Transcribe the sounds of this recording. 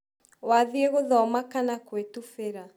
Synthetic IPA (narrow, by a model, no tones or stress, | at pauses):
waðieɣoðɔmakanakwetufeɾa